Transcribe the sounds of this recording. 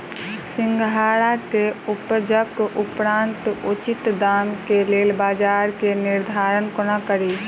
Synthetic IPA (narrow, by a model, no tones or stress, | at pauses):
sɪ̃ŋɡʱɦaːɽakeʊpəd͡ʒəkʊpɾaːnt̪ʊt͡ʃɪt̪d̪aːmkeleːlbaːd͡ʒaːɾkenɪɾd̪ʱaːɾənkonakəɾi